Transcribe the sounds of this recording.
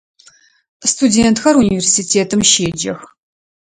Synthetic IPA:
stʰudeːnt̪xɐɾunʲivʲersitʰeːtʰɨmʃeːd͡ʒɐ̰x

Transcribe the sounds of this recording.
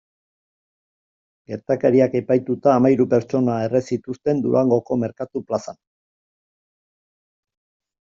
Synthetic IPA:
ɡe̞ɾt̪akeɾiake̞pajt̪ut̪aːmajɾupe̞ɾt͡ʃo̞nae̞re̞sit̪ust̪e̞nd̪uɾaŋɡo̞ko̞me̞ɾkat̪uplasan

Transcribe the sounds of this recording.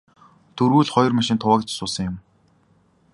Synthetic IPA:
t̪ʰɵɾɣuːɮχɔjɞ̆rmaʃɪ̆nt̪ʰʊwaːkt͡ɕsʊːsə̆ŋjʊm

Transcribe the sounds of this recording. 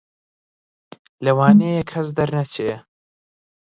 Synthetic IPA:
lɐwaːnejekʰɐs̬d̪ɐɾnɐt͡ʃʰe

